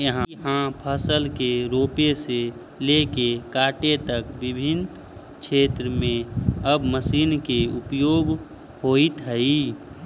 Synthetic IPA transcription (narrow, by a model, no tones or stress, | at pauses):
jəɦãɦãpʰəsəlkeɾoːpese | leːkekaːʈet̪əkbɪbʱɪn | kt͡ʃʰeːt̪ɾəmẽəbməsiːnkeʊpjoːɡ | hoːit̪ɦəi